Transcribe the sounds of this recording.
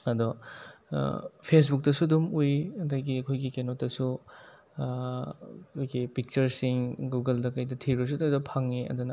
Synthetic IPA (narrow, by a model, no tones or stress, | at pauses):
ɐdɔ̰ | pʰes̬buk̚dɐsudumujɐdɐɡiɐkʰojɡikenotdɐsu | kʰojɡipik̚t͡ʃɐɾsiŋɡuɡɐldɐkɐjdɐtʰiɾɐs̬ududɔpʰaŋːiɐ̰dunɐ